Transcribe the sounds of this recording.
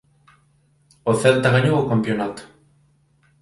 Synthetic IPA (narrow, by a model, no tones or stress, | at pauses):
oθɛlt̪aɣaɲowokampjonat̪o̥